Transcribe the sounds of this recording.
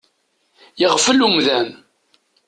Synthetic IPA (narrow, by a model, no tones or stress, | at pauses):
jəʁfəlumðæm